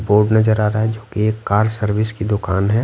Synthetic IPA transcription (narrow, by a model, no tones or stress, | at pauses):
poːɾʈnɐd͡ʒəɾaːɾaaɦɛd͡ʒoːkieːkːaːɾsəɾʋɪskid̪ʊkaːnɦɛ